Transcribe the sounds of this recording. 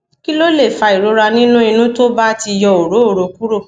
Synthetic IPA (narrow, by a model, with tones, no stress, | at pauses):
ki˦lo˦le˦˨fa˧i˨ɾo˨˦ɾa˧nĩ˦nũ˦i˧nũ˦to˦ba˦ti˧jɔ˧o˨ɾo˨˦o˦˨ɾo˨˦ku˦ɾo˦˨